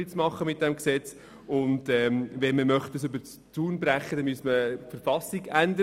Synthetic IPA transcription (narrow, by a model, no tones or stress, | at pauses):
it͡smɑχːəmɪt̚d̥ɛmksɛt͡s | ʊndɛːmʋɛnməmœχt̚dəsʏbəɾ | t͡suːnbɾæχːədɛnmyəsməfəɾfɑsiɡændə